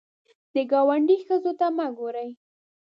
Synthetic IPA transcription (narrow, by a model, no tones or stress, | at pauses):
d̪əɡɑwaɳɖixəzot̪amaɡoɾəj